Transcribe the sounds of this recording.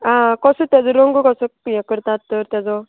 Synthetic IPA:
ãkɔsɔt̪jad͡zɔɾɔŋɡɔkɔsɔjãkəɾt̪at̪ːɔɾt̪jad͡zɔ

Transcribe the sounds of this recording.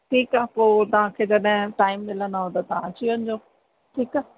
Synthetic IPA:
ʈʰiːkaːpoːt̪ɐɦãkʰeːd͡ʑɐɗɦɪ̃ʈaːɪmːɪlə̃naɦõd̪at̪ɐãt͡ɕiʋə̃nɪd͡ʑoː | ʈʰiːkaː

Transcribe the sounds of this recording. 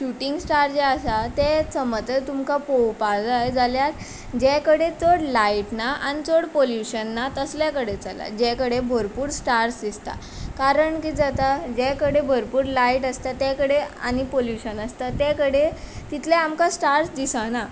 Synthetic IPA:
ɕuʈiŋɡsʈaɾd͡ʑɛasat̪ɛt͡səmət̪ət̪umkapowpad͡zajd͡zaljaɾ | d͡ʑɛkəɽet͡soɽlaiʈnaʔanit͡soɽpoljuɕənːat̪əsljakəɽet͡sala̰d͡ʑɛ̃kəɽebʱəɾpuːɾsʈaɾsd̪ist̪a̰ | kaɾəɳkiːd͡zat̪ad͡ʑɛ̃kəɽebʱəɾpuːɾlaiʈəst̪at̪ɛkəɽea̰ñipoljuɕənəst̪at̪ɛ̃kəɽet̪it̪ʰlɛamkasʈaɾsd̪isana

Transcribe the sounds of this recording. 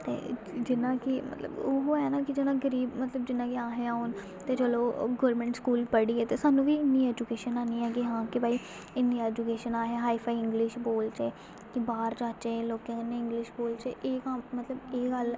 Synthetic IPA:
t̪ḛː | d͡ʒɪnãːkɪmə̰t̪lə̰bʊɦoːɛːnaːkɪd͡ʒɪnãːɡəɾiːbmət̪ləbd͡ʒɪnːãːkɪaːɦeãːɦoːn | t̪eːt͡ʃəːloːɡɔːɾmɛ̃ːɳʈskuːlpəɽiːɛːt̪eːsaːnũːʋiːɪnːiːɛːd͡ʒukeːʃənaːniːɛːɡiːɦãːkɪbaːiː | ɪnːiːɛːd͡ʒukeːʃənaːɦeɦaːiːpʰaːiːɪ̃ŋɡlɪʃboːlt͡ʃeː | kɪbaːɾd͡ʒaːt͡ʃeːloːkẽneːɪ̃ŋɡlɪʃboːlt͡ʃeːʔeːkammət̪ləbeːɡəl

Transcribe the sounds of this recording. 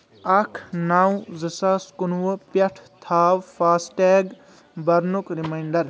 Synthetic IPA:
ɐkʰnaːwzɐsaːskunwəpɐʈʰt̪ʰaːwfaːsʈeːɡ | bɐɾnukɾimajɳɖɐɾ

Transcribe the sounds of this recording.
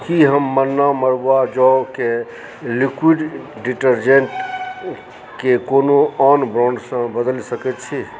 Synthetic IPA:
kiɦəmːənːaməɾad͡ʒɔke | likwiɖɖiʈəɾd͡ʒenʈ | kekonoɔːnbɾɔ̃ːɳɖsə̃bəd̪əlsəkɛt̪̚t͡ʃʰi

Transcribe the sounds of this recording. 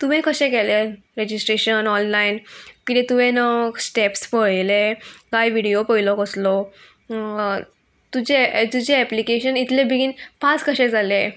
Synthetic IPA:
t̪uʋɛ̃kəɕɛ̃kɛle | ɾed͡ʑisʈɾeɕənɔnlainkit̪ɛ̃t̪uʋɛ̃nəɡsʈɛpspəjlekajʋiɽijopəjlɔkəslɔ | t̪ud͡ʑet̪ud͡ʑeɛplikeɕənit̪lẽbʱiɡinpat͡skəɕɛ̃d͡zale

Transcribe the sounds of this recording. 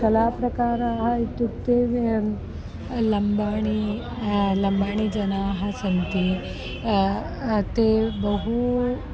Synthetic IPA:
kɐlaːpɾɐkaːɾaːɦɐit̪ːukt̪e | lɐmbaːɳ̃i | lɐmbaːɳid͡ʒɐnaːɦɐ̆sɐnt̪i | ɐt̪ebɐɦu

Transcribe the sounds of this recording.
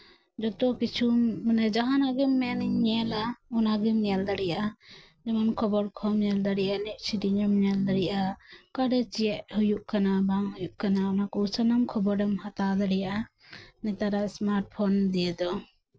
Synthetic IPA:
d͡ʒɔt̪ɔkit͡ʃʰuanɛd͡ʒaɦanaɡimːɛniɲɲɛlaɔnaɡimɲɛld̪aɽija | d͡ʒɛmankʰɔbɔɽkʰɔmɲɛld̪aɽiʔaniʔ̚ˀt͡ʃʰidiɲɛmɲɛld̪aɽijʔakaɖɛt͡ʃijɛʔhujuʔkanabaŋhujuʔkanaɔnakɔt͡ʃanamkʰɔbɔɖɛmhat̪ad̪aɽɛjaa | nɛt̪aɾaʔsmaɾʈ̚pʰɔnd̪ijɛd̪ɔ

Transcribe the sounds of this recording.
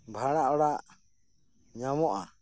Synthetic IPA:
bʱaɽaʔɔɽaʔ | ɲamɔʔa

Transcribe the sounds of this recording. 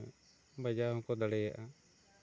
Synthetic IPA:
bad͡ʒahɔ̃kɔd̪aɽɛjaʔa

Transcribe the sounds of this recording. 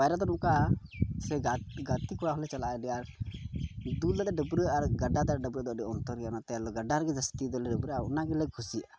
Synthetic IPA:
ajɾad̪ɔnũkasɛɡaɡat̪ikɔɽaɦɔlɛt͡ʃalaɛlɛaɾ | d̪ulɛd̪ɛɖəbɾəaɾɡəɖad̪ɛaɾɖəbɾəʔd̪ɔʔdɛɔnt̪ɔɾɡɛjanat̪ɛaɾlɔɡəɖaɾɡɛd͡ʒəst̪id̪ɔlɛɖəbɾəaṵnaɡɛlɛkʰusia

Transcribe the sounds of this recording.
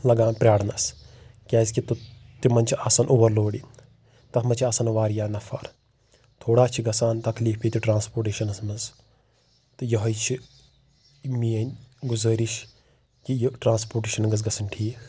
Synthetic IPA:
lɐɡaːnpɾʲaːɽnɐskʲɛːzʲkit̪ut̪imɐnʲt͡ʃʰiasɐnʔuʋɐɾloːɽi | t̪ɐkʰmɐt͡ʃʰiaːsɐnʋaːɾjaːnɐfʰɐ̰ɾ | t̪ʰoːɽaːt͡ʃʰiɡɐsaːnt̪ɐkliːfpiːt̪uʈɾãːnspoːɾʈeːʃɐnɐsmɐnz | t̪ɨjɐɦɐjt͡ʃʰi | mijɐnʲɡuzəːɾiʃ | kijʈɾãːnspoːʈeːʃɐnɡɐz̬ɡɐsɐnʈʰiːk

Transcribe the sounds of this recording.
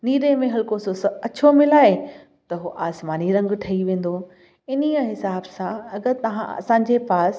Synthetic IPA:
niːɾemẽɦɐlkosʊsɐt͡ɕʰomɪlaːe | t̪ɐɦoʔaːsmaːniɾɐ̃ŋɡʈʰɐiʋẽːn̆d̪o | ɪniəɦɪsaːbsãɐɡəɾt̪ɐʋã̰ɐ̰sãːɲ̆d͡ʑepaːs

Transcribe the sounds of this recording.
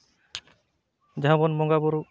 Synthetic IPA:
d͡ʒaɔ̃bɔnmɔŋɡabɔɾu

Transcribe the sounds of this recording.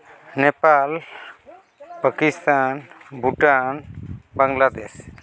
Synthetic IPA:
nepal | pəkist̪anbʱuʈanbaŋlad̪es

